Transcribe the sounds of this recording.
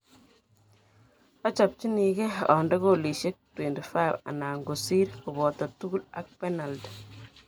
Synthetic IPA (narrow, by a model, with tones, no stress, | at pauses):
a˦t͡ʃa˨p̚t͡ʃi˦ni˨kɛ˦ɔ̰˨ndɔ˦ɡoli˨ʃe˦k̚twe˨ntifa˦jva̰˨naː˨ŋɡosi˦ɾku˨bɔ˨tɔ˨tu˦ɡu˦la̰˨k̚pɛ˦na˨ld